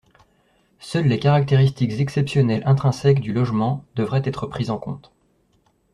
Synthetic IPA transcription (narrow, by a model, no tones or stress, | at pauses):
sœlːekaʁak̚t̪eʁist̪ikzɛksɛpsjɔnɛlʔɛ̃t̪χɛ̃sɛkd̪ylɔʒmɑ̃d̪əvʁɛt̪ɛt̪χəpχizɑ̃kɔ̰̃t̪